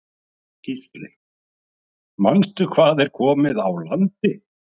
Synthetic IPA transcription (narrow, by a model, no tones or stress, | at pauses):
kist̪lɪ̰ | maŋst̪ʏkʰvaːðɛɾ̥kʰɔːmɪðawlant̪ɪ